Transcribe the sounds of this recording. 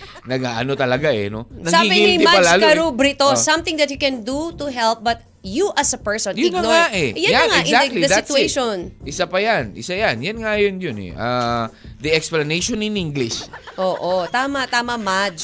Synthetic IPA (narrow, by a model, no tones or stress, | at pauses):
nɐɡaʔɐno̞t̪ɐlɐɡaʔɛ̰no̰nɐsaɡibɪɪnɪd̪ɪmaɐld͡ʒaːlɐɾubɾɪt̪osɐ̃mt̪ɪ̃ŋd̪ɐt̪jukɛ̃nd̪ut̪uɦɛlp̚bɐt̪̚ | juʔɐsɐpɛɹsõninoŋaʔɛjanjanŋaɛʔɡʔɪ̃zakt̪lid̪ɐd̪saɪt̪ueʃonʔɪsapɐjanʔɪ̰sajanjanŋajonjonɛ̰ʔa | d̪ɐɛksplɐnejʃonɪniŋɡlɪʃʔoːʔot̪aːmɐt̪aːmɐmad͡ʒ